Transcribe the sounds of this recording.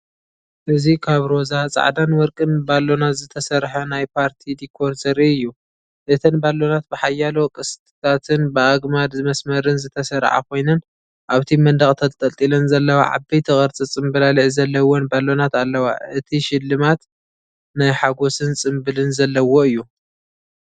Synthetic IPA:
ʔɨzikʰaβɾozat͡sʼa̰ʕd̪anwɔɾkʼɨnbalːo̞nat̪zɨt̪ʰɐsɐɾħɐnajpʰaɾt̪ʰid̪ikʰːo̞ɾt̪ʰɐɾiɨjːu | ʔɨt̪ʰɨnbalːo̞nat̪̚bɨħajːalo̞kʼɨst̪ʼɨ̥t̪ʰat̪ʰɨnbɨaɡmad̪zɨmɐsmɐɾɨnzɨt̪ʰɐsɐɾʕa̰kʰo̞jnɨn | ʔaβt̪ʰimɐnd̪ɐχʼt̪ʰɐlt̪ʼɐlt̪ʼilɐnzɐlːɐwa̰ʕa̰bɐjt̪ʰɨxʼɐɾt͡sʼɨt͡sʼɨmbɐlaliʕzɐlːɐwonbalːo̞nat̪alːɐwa̰ʔɨt̪ʰiʃɪlːɨmat̪ | najħaɡo̞sɨnt͡sʼɨmbɨlɨnzɐlːɐwoɨjːu

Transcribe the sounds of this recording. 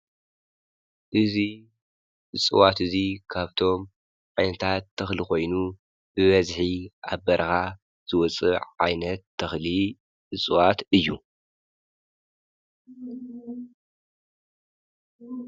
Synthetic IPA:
ʔɨzi | ʔɨt͡sʼɨwat̪ɨzikʰaβt̪ʰo̞m | ʕajnɐt̪ʰat̪ʰːɐxliko̞jnu | b̥ɨβɐzħiʔaβbɐɾɐxa | z̥ɨwɔt͡sʼɨ̰ʕa̰jnɐt̪ʰːɐxli | ʔɨsʼɨwat̪ɨjːu

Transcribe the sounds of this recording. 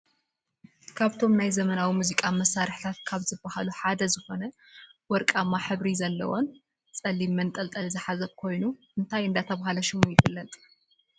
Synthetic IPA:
kʰaβt̪ʰo̞mnajzɐmɐnawimuzikʼamɐsaɾħi̥t̪ʰat̪̚kʰaβzɨbːahaluħad̪ɐzɨxo̞nɐ | wɔɾkʼamːaħɨβɾizɐlːɐ̰wo̞n | t͡sʼɐlimːɐnt̪ʼɐlt̪ʼɐlzɨħazɐβkʰo̞jnuʔɨnt̪ʰajɨnd̪at̪ʰɐβhalɐʃɪmujɪfɨlːɐt̪ʼ

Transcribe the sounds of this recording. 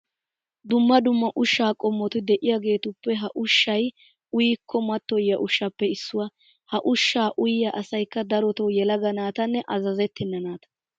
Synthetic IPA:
d̪ʊmːɐd̪ʊmːɐʔʊʃːaːkʼɔmːɔt̪ɪd̪ɛʔɪjaːɡe̞ːt̪ʊpːɛɦɐʔʊʃːɐj | ʊjikʰːɔmɐt̪ːɔjɐʔʊʃːɐpːɛɪsːʊwɐ | hɐʔʊʃːaːʔʊjjɐʔɐsɐjkːɐd̪ɐɾɔt̪ɔwjɛlɐɡɐnaːt̪ɐnːɛʔɐzɐzɛt̪ːɪnːɐnaːt̪ɐ̥

